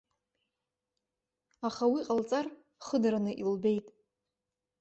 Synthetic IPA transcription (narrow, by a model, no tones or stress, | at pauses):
aχawiqʼalt͡sʼar | χədaɾanɨʔilbe̞jtʼ